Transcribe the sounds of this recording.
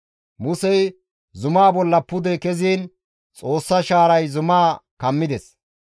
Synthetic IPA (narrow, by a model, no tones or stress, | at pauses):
mʊsɛj | zʊmaːbɔlːɐpʊd̪ɛkɛziːn | t͡sʼo̞ːsːɐʃaːɾɐjzʊmaːkɐmːɪd̪ɛs